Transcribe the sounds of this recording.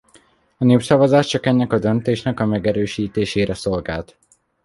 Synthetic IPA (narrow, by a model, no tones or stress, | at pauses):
ɒneːpsɒvɒzaːʃt͡ʃɒkɛnːɛkɒd̪ø̞nt̪eːʃnɛkɒmɛɡɛɾøːʃiːt̪eːʃeːɾɛso̞lɡaːlt̪